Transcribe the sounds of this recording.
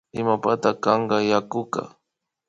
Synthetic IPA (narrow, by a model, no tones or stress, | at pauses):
ɪmapat̪akɑɴɢɑjakʊka̰